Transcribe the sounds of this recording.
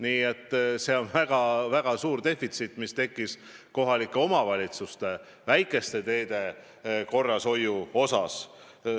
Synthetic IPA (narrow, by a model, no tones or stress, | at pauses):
niːe̞t̪ːˑse̞o̞nvæɡ̥ɑvæɡ̥ɑsuːɾd̪e̞fit̪sit̪ːˑmist̪e̞kːˑis | ko̞ɦɑlikːˑeo̞mɑvɑlʲit̪sust̪e̞ | væjkːˑe̞st̪e̞t̪e̞ːd̪e̞ | ko̞rːɑso̞juo̞sɑs